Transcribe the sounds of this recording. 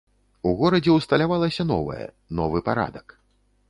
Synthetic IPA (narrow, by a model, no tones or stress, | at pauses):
uɣɔɾɐd͡zʲɛwst̪ɐlʲavalˠɐsʲɐnɔ̰vɐ̰jɛ̰ | nɔvɨpaɾa̰d̪ɐk